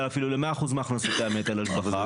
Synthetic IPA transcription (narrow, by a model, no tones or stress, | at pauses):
afilulemeaːχuzmaaχnasot̪aemet̪alaʃbaa